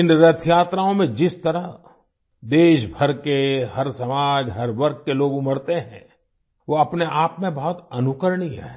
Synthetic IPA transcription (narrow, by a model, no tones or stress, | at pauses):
ɪnɾɐt̪ʰjaːt̪ɾaːõmẽd͡ʒɪst̪ɐɾəɦ | d̪eːʃbʱɐɾkehɐɾsɐmaːd͡ʒɦɐɾʋɐɾk̚ʰkeloːɡmɐɽt̪eɦɛ̰̃ː | ʋoɐpneʔaːpmẽbɐɦʊt̪ɐnʊkəɾɽiɦɛ̰ː